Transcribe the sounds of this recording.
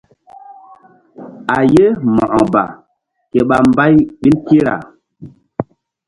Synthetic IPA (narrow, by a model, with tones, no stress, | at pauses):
a˨je˦mɔ̰̃˨ʔɔ˨ba̰˨ | ke˨ɓa˨mba˦jɓi˦nki˦ɾa̰˨